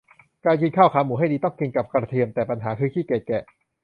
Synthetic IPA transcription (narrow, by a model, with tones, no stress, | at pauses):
kaː˧jki˧nkʰaː˥˩wkʰaː˨˦muː˨˦ɦa˥˩jdiː˧t̪ɔ˥˩ŋki˧nka˨˩p̚kɾa˧t̪ʰi˧əmt̪ɛː˨˩pa˧nɦaː˩˦kʰɯː˧t̪ʰiː˥˩keː˨˩kɛ˨˩ʔ